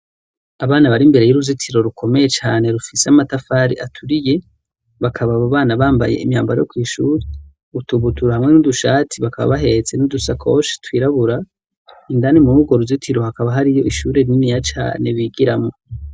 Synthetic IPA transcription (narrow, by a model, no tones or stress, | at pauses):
aβaːnaβaɾimbe̞ɾe̞juɾuzitʰiɾo̞ɾukʰo̞me̞je̞t͡ʃaːne̞ɾufiseamatafaɾḭʔatʰuɾije̞ | βakʰaβaβaβaːnaβaːmba̰je̞̰imjaːmbaɾa̰jo̰kwiːʃuːɾe | utuβutuɾahamŋe̞nuduʃaːtʰiβakaβa̰βaɦe̞t͡se̞nudusakʰo̰ʃi̥twiːɾaβuɾa | indanimuɾuɡo̞ɾuzitʰiɾo̞hakaβaɦaɾijo̞ʔiʃuːɾe̞ɾinijat͡ʃa̰ːne̞βiɡiɾamŋo̞